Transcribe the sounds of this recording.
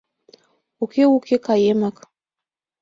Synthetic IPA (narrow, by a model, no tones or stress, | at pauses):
ukewukekajemak